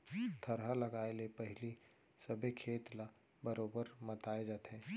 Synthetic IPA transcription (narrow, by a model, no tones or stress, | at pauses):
t̪ʰəɾɦalɐɡaːelepɐɦɪli | səbʱekʰeːt̪la | bəɾoːbəɾmɐt̪aːed͡ʒaːt̪ɦeː